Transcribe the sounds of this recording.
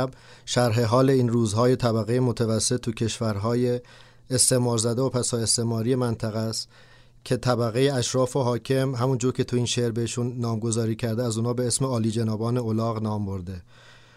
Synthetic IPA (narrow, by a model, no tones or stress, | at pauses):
b | ʃæɾɦe̞ɦɒːle̞iːnruːzɦɒːje̞t̪ʰæbæɣejemot̪ʰævæsːe̞t̪ʰːucʰe̞ʃvæɾɦɒːjeː | st̪e̞ʔmɒːɾzæd̪eopʰæsɒːe̞st̪e̞mɒːɾije̞mænt̪ʰæɣæst̪ | cʲʰe̞t̪ʰæbæɣe̞jeæʃɾɒːfoɦɒːcʰe̞mɦæmund͡ʒuːɾcʰʲe̞t̪ʰuiːnʃeɾbeheʃunːɒːmɡo̞zɒːɾiːcʰæɾd̪eæzuːnɒːbe̞esme̞ɒːliːd͡ʒenɒːbɒːne̞olɒːɣnɒːmbo̞ɾd̪e̞